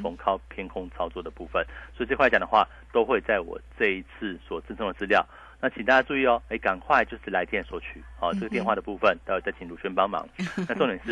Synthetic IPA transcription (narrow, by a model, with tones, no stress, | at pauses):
fo˧˥ŋkʰɑ˥ʊpʰjɛ˥nkʰʊ˥ŋt͡sʰɑ˥ʊt͡swɔ˥˩d̪ə˩pu˥˧fə˨˩nswo˧˥˨t͡ɕkʰxt͡ɕjɑ˨˩ŋd̪ə˦xwa̰˥˩ | t̪o˥ʊxwe˥˧ɪt͡sa˥˩ɪwɔ̰˨˩ʈ͡ʂɤ˥˧i˧t͡s̩ʰ˥˩swɔ˨˩t͡sə˥˩nʈ͡ʂʰɤ˧˥ŋd̪ə˨˩t͡sɹ̩˧ljɑ˥˨ʊ | na˥˩t͡ɕʰi˨˩ŋt̪a˥˧t͡ɕadu˥˧i˥˩ɔ˨˩e˥˩ɪka˨˩nkʰwa˥˧ɪt͡ɕjo˥˧ʊʂɻ̩˥˩la˧ɪt̪jɛ˥˩nswɔ˧˥t͡ɕʰy˨˩ɔ˨˩ʈ͡ʂɤ˥˩ɡə˩t̪jnxwa˥˩də˩pu˥˧fə˨nt̪a˥˩jt͡ɕa˥˩t͡ɕʰi˨˩ŋlu˨˥˩t͡ɕʰɥɛ˧˥npɑ˥ŋmɑ̰˧˦ŋna˥˧ʈ͡ʂŋnjɛ˨˩nʂɻ̩˥˧